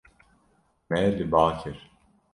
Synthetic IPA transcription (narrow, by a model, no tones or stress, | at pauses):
mɛlibaːt̪ʰiɾ̥